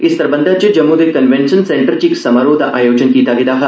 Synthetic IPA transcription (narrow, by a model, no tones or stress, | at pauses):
ɪst̪ɐɾbɐnd̪ʱad͡ʒɐd͡ʒɐmːud̪ekɐnʋẽɳʃɐnsẽːɳʈəɾt͡ʃiksɐmaːɾoːd̪ʱɐʔaːjoːd͡ʒənkiːt̪aːɡid̪aːɦɐ